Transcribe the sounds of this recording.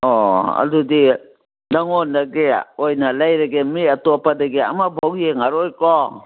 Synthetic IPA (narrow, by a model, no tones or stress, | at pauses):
ɔa̰dudi | daŋɔndaɡḛojnalajɾaɡemiatopadaɡea̰mabʱawjeŋaɾojkɔ